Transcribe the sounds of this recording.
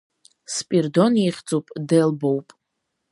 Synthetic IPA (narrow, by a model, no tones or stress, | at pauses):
spʼirdoneχʲd͡zʼupʼdelbowpʼ